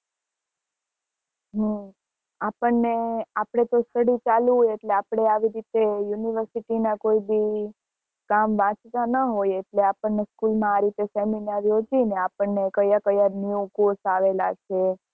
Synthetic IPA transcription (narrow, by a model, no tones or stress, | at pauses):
ɦə | apəɳːeapɽ̃et̪ost̪əɽit͡ʃalũeʈleapɽ̃eaʋiɾit̪ejuniʋəɾsiʈinakoibi | kamʋãt͡ʃt̪anəɦojeʈleapəɳneskulmãːɾit̪eseminaɾjod͡ʒineapəɳːekəjakəjanjukosaʋelat͡ʃʰe